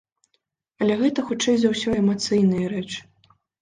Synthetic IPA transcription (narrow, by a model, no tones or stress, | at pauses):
ɐlʲɛɣɛt̪ɐxut͡ʂɛjzawsʲɔɛmat̪sɨjnɨjɐɾɛt͡ʂɨ̥